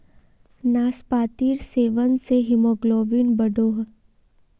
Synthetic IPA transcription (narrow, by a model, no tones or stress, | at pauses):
naːspaːt̪iːɾseːʋənseɦɪmoːɡloːʋinbəɖoːɦ